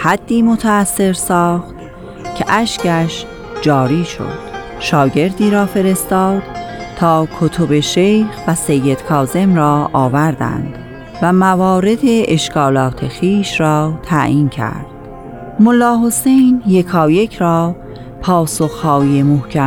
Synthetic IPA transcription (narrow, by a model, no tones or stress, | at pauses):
hæd̪̥ːiːmot̪ʰæːsːe̞ɾsɒːxt̪ | cʰeʔæʃcʰæʃ | d͡ʒɒːɾiːʃo̞̰d̪̥ | ʃɒːɟe̞ɾd̪iːɾɒːfe̞ɾe̞st̪ɒːd̪̥t̪ʰɒːkʰot̪ʰo̞be̞ʃejxvæse̞jːed̪̥kʰɒːze̞mɾɒːʔɒːvæɾd̪æ̰nd̪̥ | væmævɒːɾe̞d̪e̞ʔːʃkʰɒːlɒːt̪ʰe̞xiːʃɾɒːt̪ʰæʔiːncʰæ̰ɾdd̪̥ | molːɒːɦo̞se̞jnje̞kʰɒːje̞cʰɾɒː | pʰɒːso̞xhɒːjemohcʰæ